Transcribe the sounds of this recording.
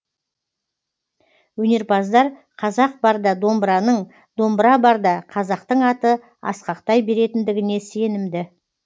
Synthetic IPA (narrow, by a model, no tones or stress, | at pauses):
wɵne̞ɾbɑzd̪ɑɾqʰɑzɑq̚bɑɾd̪ɑd̪o̞mbɾɑnəɴ | d̪o̞mbɾɑbɑɾd̪ɑqʰɑzɑqt̪əɴɑt̪ə | ɑ̰sqɑqt̪ɑjbe̞ɾe̞t̪ɪnd̪ɪɡʲɪne̞se̞nɪmd̪ɪ